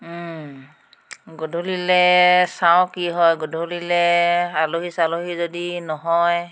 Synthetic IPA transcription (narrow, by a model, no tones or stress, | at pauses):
ɡodʱolilɛsawkiɦɔjɡodʱolilɛaloɦisaloɦizodinɔɦɔj